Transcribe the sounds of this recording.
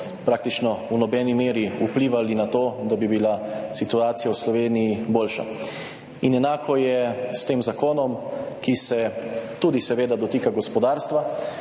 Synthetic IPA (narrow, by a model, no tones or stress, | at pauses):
pɾaːk̚t̪it͡ʃnɔunɔbɛːnimeːɾiupliːʋalinat̪oːd̪abibilasit̪uaːt̪sijawslɔʋeːnijiboːlʃa̰ | inɛnaːkʰɔjɛst̪eːmzakoːnɔmkisɛt̪uːd̪isɛʋeːd̪ad̪ɔt̪iːkaɡɔspɔd̪aːɾst̪ʋa